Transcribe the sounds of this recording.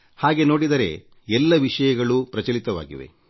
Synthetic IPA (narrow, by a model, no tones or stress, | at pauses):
haːɡeno̞ːɽid̪ɐɾe̞̰ | ɛlːɐʋiʂɐjɐɡɐɭupɾɐt͡ʃɐlit̪ɐʋa̰ːɡḭʋe̞̰